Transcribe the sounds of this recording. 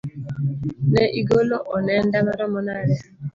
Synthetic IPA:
nɛʔiɡoloʔɔnɛndamaɾɔmɔnaɾɛ

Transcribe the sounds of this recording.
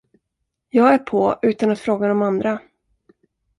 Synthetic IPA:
jɑːɡæɾpʰɔʉ̟ːt̪anat̪fɾoːɡad̪ɔmand̪ɾa

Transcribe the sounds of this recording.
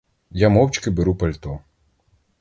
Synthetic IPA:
jamɔwt͡ʃkɪbeɾupɐlʲt̪ɔ

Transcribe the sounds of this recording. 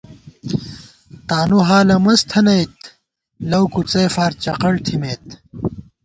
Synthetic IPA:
t̪aːnuɦaːlɐmɐst̪ʰɐnɐjt̪ | lɐwkut͡seːfaːɾt͡ɕɐqɐɽt̪ʰimeːt̪

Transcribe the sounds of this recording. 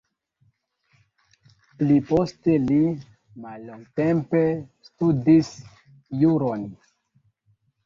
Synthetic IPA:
pliposteli | malːoŋɡtempestudis | juɾon

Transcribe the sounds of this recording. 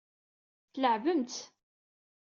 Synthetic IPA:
θləʕvəmt̪

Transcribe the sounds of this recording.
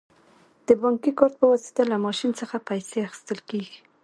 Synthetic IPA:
d̪̥əbɑŋkikɑɾt̪̚pəwɑsi̥t̪alamɑʃinsəxapajseaxɪ̥st̪əlkeɡi

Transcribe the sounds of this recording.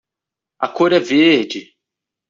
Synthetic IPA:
ɐkoɾɛvehd͡ʒɪ

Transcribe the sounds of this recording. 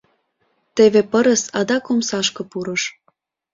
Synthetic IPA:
t̪eβepəɾə̆sɑd̪ɑkomsɑʃkɤ̆puɾɤ̆ʃ

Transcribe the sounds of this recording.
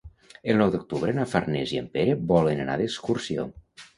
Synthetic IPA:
əlˠnɔwd̪ok̚t̪uβ̞ɾənafarnɛziəmpeɾəbɔlənəna̰ðəkskursio̰

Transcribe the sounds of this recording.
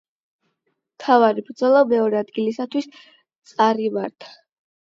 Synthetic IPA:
mt̪ʰavaɾibɾd̪zɔlˠamɛɔɾɛad̪ɡilisat̪ʰwis | t̪sʼaɾimaɾt̪ʰḁ

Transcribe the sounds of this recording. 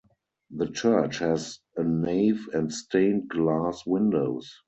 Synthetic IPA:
ðət͡ʃɜ˞t͡ʃhɛz | əneɪfɛ̃ntstʰẽɪ̃nɡlaːswɪ̃ndoʊs

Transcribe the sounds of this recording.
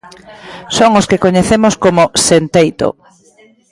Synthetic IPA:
soŋoskekoɲeθemoskomosent̪ejt̪o̰

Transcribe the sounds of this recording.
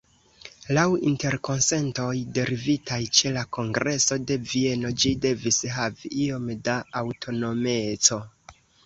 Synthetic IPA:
lawḭnte̞ɾko̞nse̞nto̞jde̞ɾivitajt͡ʃe̞lako̞ŋɡɾʔe̞so̞de̞vie̞no̞d͡ʒide̞visɦaviʔio̞mdaːwtʰo̞no̞me̞t͡so̞

